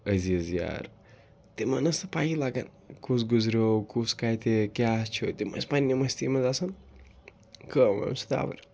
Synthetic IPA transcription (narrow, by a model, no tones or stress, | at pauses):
əziɐzja̰ɾ | t̪emɐnɐsɐpajilaɡa̰n | kus̬ɡuzɾowkuskajt̪ekjast͡ʃʰot̪emɐ̰spanːemɐst̪imɐzasɐn | kəmɐ̰msi̥t̪a̰bɐ̰ɾ